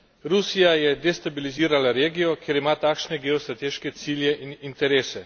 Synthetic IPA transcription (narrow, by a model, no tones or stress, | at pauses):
ɾusijajɛd̪ɛst̪abiliziːɾalaɾeːɡijɔkjeːɾimaːt̪aːkʃnɛɡeɔst̪ɾat̪eːʃkɛt̪siljɛʔinint̪ɛɾeːsɛ